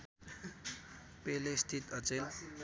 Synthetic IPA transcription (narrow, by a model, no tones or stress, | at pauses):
pelest̪ʰit̪ʌt͡sel